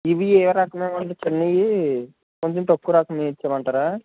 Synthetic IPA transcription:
iʋieːɾaːkɐmeːmɐɳʈet͡ʃenːɐji | koɲt͡ʃɐmʈ̪ɐkːuɾaːkɐmeit͡ʃːaːmɐɳʈaːɾaː

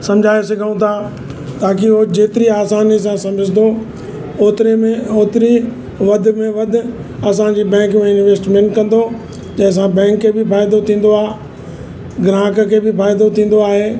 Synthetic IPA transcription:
sɐ̃md͡ʑʱaːesɐɡʱaũt̪ʰaː | t̪aːkiɦod͡ʑeːt̪ɪɾiaːsaːnis̬ãsɐməd͡ʑʱɪd̪o | oːt̪ɪɾemẽoːt̪ɪɾi | ʋɐd̪ʱʊ̆mẽʋɐd̪ʱʊ̆ | ɐs̬ãd͡ʑiːbɛ̃ːŋkmẽɪnʋeːsʈmẽːɳʈkɐ̃nd̪o | d͡ʑɐ̃ɦɪ̃s̬ãbɛ̃ːŋkːeːbɪfaːɪjd̪ot̪ʰĩːn̆d̪oaːe | ɡɾãːkkʰeːbɪfaːjd̪ot̪ʰĩːn̆d̪oaːɦeː

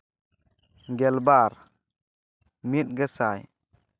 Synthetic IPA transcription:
ɡɛlbaɾ | mit̚ɡəsaj

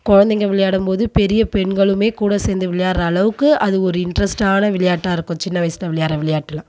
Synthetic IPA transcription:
kɔɻɐnd̪ɛŋɡɐʋɪɭɐjaːɽɯmpoːðɯpɛɾɪjɐpɛɳɡɐɭɯmeːkuːɽɐseːnd̪ɯʋɪɭɐjaːɾɐːɭɐʋɯkːɯɐðɯɔɾɯɪɳɖɾɐsʈaːnɐʋɪɭɐjaːʈːaːɪɾɯkːʊ̃t͡ʃɪnːɐʋɐɪsɪt̪lːɐʋɪɭɐjaːɾɐʋɪɭɐjaːʈːɪlãː

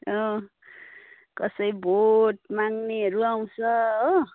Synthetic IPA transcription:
ʌ | kʌsʌjbʱoʈ̚maŋneɦʌɾuaw̃t͡sʰʌɦo

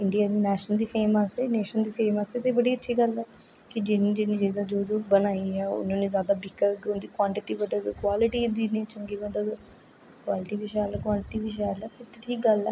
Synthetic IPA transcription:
ɪɳɖijaːd̪iːnɛːʃnəld̪iːpʰeːməsɛːneːʃənd̪iːpʰeːməset̪ebəɽiːətːʃʰiːɡəlɛː | kɪd͡ʒɪnĩːd͡ʒɪnĩːd͡ʒeːzaːd͡ʒoːd͡ʒoːbənaːiːɛːʊ̰nõːnẽːzjaːd̪aːbɪkːəɾɡʊnd̪iːkwãːɳʈɪʈiːbəd̪əkwaːlɪʈiːd̪iːneːt͡ʃəŋɡiːbəd̪ə | kwaːlɪʈiːʋɪʃaːlɛːkʋãːɳʈɪʈiːʋɪʃ̬aːlɛːpʰɪɾʈʈʰiːk̚ɡəlɛː

